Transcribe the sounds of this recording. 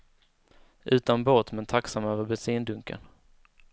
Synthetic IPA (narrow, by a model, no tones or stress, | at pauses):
ʔʉ̟ːt̪anbɔt̪mɛnt̪ʰaksamøːvəɾbɛsiːnd̪ɵŋkə̰n